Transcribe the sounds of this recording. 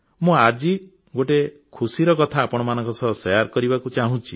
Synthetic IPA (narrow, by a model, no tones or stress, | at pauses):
mũad͡ʒi | ɡoʈe | kʰusiɾɔkɔt̪ʰaːpɔɽ̃ɔmanɔ̃ŋkɔsɔɦsɔjaɾkɔɾibakut͡ʃaɦũt͡ʃʰi